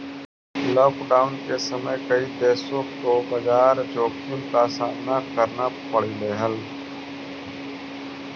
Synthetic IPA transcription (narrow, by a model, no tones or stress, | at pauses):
lɔːkɖaːʊnkesəməjkəid̪eːsõt̪oːbəd͡ʒaːɾd͡ʒoːkʰimkasaːd̪nakəɾnapəɽileːɦəl